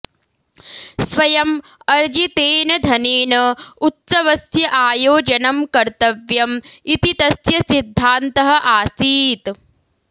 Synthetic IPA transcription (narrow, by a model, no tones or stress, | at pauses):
sʋɐjɐm | ɐɾd͡ʒit̪eːnɐd̪ʱɐneːnɐut̪sɐʋɐsjɐʔaːjoːd͡ʒɐnɐmkɐɾt̪ɐʋjɐmit̪it̪ɐsjɐsid̪ʱːaːnt̪ɐɦɐ̆ʔaːsiːt̪